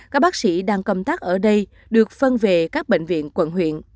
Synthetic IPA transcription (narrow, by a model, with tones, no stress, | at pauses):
kaː˦˥k̚ɓaː˦˥k̚sḭ˧˥ɗaː˧ŋkə˧˩wŋ͡mt̪aː˦˥k̚ʔəː˧˩ɗə˧j | ɗɨ˨˩ək̚fə˧nve˨˩kaː˦˥k̚ɓḛ˧˨ŋ̟vḭ˧˨ənkwə̰˧˩nɦwḭ˧˨ən